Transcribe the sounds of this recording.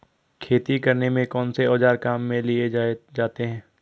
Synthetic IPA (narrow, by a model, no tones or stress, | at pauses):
kʰeːt̪ikɐɾnemẽkɔːnseɔːd͡ʒaːɾkaːmːẽlied͡ʒaːt̪eɦɛ̃ː